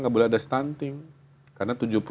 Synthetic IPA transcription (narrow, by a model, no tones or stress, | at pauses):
ŋɡaʔbolɛadast̪ant̪ɪŋ | karnat̪ud͡ʒup